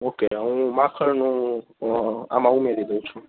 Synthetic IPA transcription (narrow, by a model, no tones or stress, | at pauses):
okeəɦũmãkʰəɾnũ | a̰mãumeɾid̪əũt͡ʃʰũ